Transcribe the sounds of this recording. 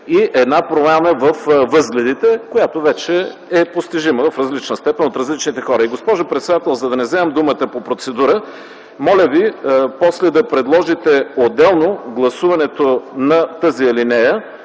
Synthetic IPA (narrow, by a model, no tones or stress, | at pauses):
iʔɛd̪napɾomʲanəvɐfvɤzɡlʲɛd̪it̪ɛkojat̪ovɛt͡ʃɛɛpost̪iʒiməvɐfɾɐzlit͡ʃnəst̪ɛpɛnot̪ɾɐzlit͡ʃnit̪ɛxɔɾəiɡospɔʒʊpɾɛt̪sɛd̪at̪ɛlˠzɐd̪ɐnɛzɛɛmd̪umət̪əpopɾot̪sɛd̪uɾə | mɔlʲəvipɔslɛd̪ɐpɾɛd̪lˠɔʒit̪ɛod̪ɛlˠnoɡlˠɐsuvɐnɛt̪onɐt̪əziɛlinɛjə